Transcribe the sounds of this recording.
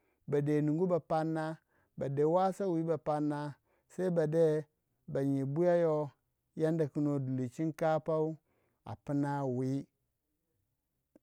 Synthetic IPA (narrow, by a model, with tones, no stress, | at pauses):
ba˨de˨nu˨ŋɡu˦ba˨pa˦nːa˦ | ba˨de˨wa˦sa˦wi˨˦ba˨pa˦nːa˦ | sa˦i˦ba˨de˦ | ba˨ɲi˨bu˦ja˦jo˦ | ja˦nda˨ku˦no˨du˨li˨t͡ʃi˦nka˦pa˦u˦ | a̰˨pi˦na˦wi˦